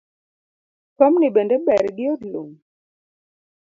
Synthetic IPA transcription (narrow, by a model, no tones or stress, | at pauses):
pɔmniɓɛndɛɓɛɾɡɪɔdlṵŋ